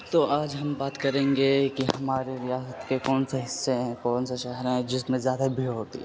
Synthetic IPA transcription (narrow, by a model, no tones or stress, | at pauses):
t̪oːʔaːd͡ʒɦɐmbaːt̪kɐɾẽːŋɡekiɦɐmaːɾeɾijaːsət̪kekɔːnseɦɪsːeɦɛ̃kɔːnseʃɛɦɛɾɦɛ̃d͡ʒɪsmẽzjaːd̪abʱiɦoːt̪ḭɦɛ̰